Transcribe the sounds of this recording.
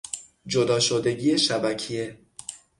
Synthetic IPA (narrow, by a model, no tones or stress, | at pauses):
d͡ʒod̪ɒːʃod̪e̞ɟiːeʃæbæcʰije